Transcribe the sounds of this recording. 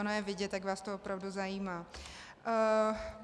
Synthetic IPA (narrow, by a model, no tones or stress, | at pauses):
onojɛvɪɟɛt̪jakvaːst̪ovopɾavduzajiːmaː